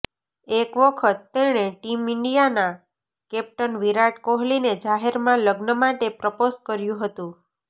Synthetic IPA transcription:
ekʋəkʰət̪ːeɽ̃eʈimɪɳɖijana | kɛp̚ʈənʋiɾaʈkoɦlined͡ʒaɦeɾmãləɡnəmaʈepɾəposkəɾjũɦət̪ũ

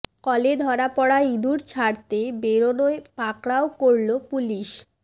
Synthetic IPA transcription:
kɔled̪ʱɔɾapɔɽaid̪uɾt͡ɕʰaɾt̪ebeɾonoepakɽaokoɾlopuliʃ

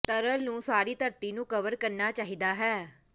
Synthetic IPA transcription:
t̪əɾəlnũːsaːɾiːt̪əɾt̪iːnũːkəʋəɾkəɾnaːt͡ʃaːɦiːd̪aːɦɛː

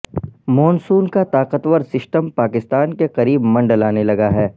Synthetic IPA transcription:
mɔːnsuːnkat̪aːqət̪wəɾsɪsʈəmpaːkɪst̪aːnkeqɐɾiːbmɐ̃ɳɖəlaːnelɐɡaɦɛː

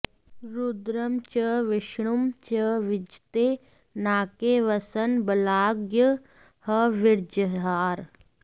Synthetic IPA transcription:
ɾud̪ɾɐmt͡ʃəʋɪʃɳumt͡ʃəʋɪd͡ʒt̪eː | naːkeʋɐsɐnbɐlaːɡjə | hɐʋɪɾd͡ʒəɾɦaːɾ

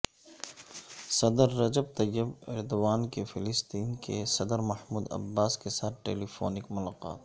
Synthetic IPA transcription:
sɐd̪əɾːɐd͡ʒəb̚t̪ɐjːəbɪɾd̪waːnkefɪlɪst̪iːnkesɐd̪əɾmɐhmuːd̪ɐ̰bːaːskesaːt̪ʈeːliːfo̰ːnɪkmʊlaːqa̰ːt̪

